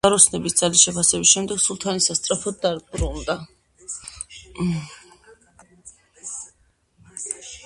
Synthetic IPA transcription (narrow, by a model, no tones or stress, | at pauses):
aɾɔsnɛbisd̪z̥alisʃɛpʰasɛbisʃɛmd̪ɛɡ̥sulˠt̪ʰanisast̪sʼɾapʰɔd̪̚ːaɾbɾund̪a